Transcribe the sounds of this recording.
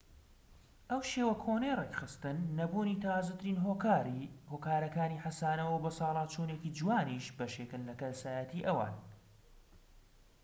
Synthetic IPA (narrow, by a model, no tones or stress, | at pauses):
ʔɐwʃeːwɐkʰonejrekχɨst̪ɨnːɐbuːnit̪ʰazɐt̪ʰɨɾiːnɦo | hoːkaːɾɐkaːniːħasaːnɐwɐwbɐsɑːlˠɑːt͡ʃʰoneciːd͡ʒuwaːniːʃbɐʃekɨnlɐkɐlsaːjɐt̪iːʔɐwa̰ːn